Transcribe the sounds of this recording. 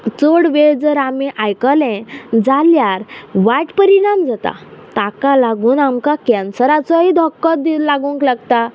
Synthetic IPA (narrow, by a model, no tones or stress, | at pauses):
t͡soɽʋed͡zəɾamiʔajkəlɛ̃d͡zaljaɾʋaʈpəɾiɽamd͡zat̪a̰t̪akalaɡuːnamkakɛnsəɾat͡sɔɦid̪ʱɔkːɔd̪ilaɡũŋklaɡt̪a